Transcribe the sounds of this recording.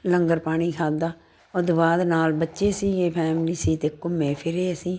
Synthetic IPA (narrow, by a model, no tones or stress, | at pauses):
ləŋɡəɾpaːɽ̃iːkʰaːd̪aː | od̪ʊʋaːd̪naːlbətːʃeːsiːɡeːpʰɛːmliːsiːt̪eːkʊmẽːpʰɪɾeːəsĩː